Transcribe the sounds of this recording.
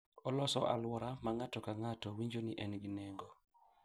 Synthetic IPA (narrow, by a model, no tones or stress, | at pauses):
ɔlɔsɔʔa̰lwɔɾamaŋatɔkaŋatɔwiɲd͡ʒoniʔɛnɡinɛŋɡɔ